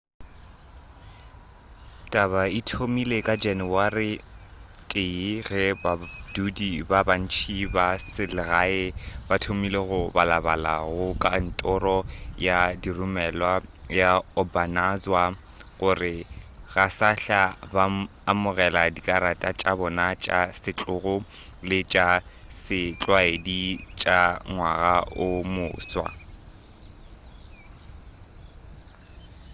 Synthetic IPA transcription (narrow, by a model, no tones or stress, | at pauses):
tʼaβaitʰomilekʼad͡ʒanɪwarɪ | tʼɪɣɛbadudibaban̩t͡ʃʰibasɪlɪɣaɪbatʰomileɣʊbalaba̰la̰ɣʊkʼan̩tʼɔrɔjadirʊmɛlwajaɔbanazwa | ɣʊrɪɣasaɬabaː | mʊɣɛladikʼaɾatʼat͡ʃʼabɔnat͡ʃʼasɪt͡ɬʼʊɣʊ | lɪt͡ʃʼa | sɪt͡ɬʼwaedit͡ʃʼaŋwaɣaʔʊmʊːswa̰